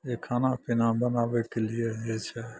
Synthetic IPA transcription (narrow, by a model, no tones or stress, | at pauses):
jekʰaːnapɪnãbənaːʋekelijeɦet͡ʃʰɛ